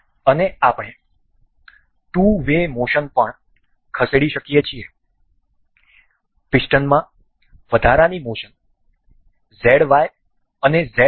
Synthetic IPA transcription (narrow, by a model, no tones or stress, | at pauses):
əneapɳ̃e | ʈuʋemoʃənpəɳ | kʰəseɽiʃəkijet͡ʃʰie | pisʈənmã | ʋəd̪ʱaɾanimoʃən | zeɽʋaj | əneze